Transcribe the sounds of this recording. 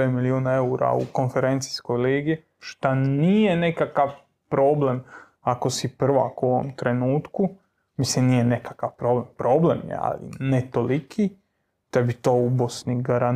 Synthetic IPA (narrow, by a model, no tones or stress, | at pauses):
emiliuːnae̞uɾa̰ṵko̞nfeɾent̪si̥sko̞jliːɡi | ʃt̪anije̞nekakaʋ | pɾo̞blem | akosipr̩ʋa̰kuoʋo̰mt̪ɾe̞nuːt̪ku | mislimnijenekakaʋpɾo̞blempɾoːblemjḛa̰lḭnet̪o̞likʰi | t̪ebit̪o̞ːubosniɡaɾan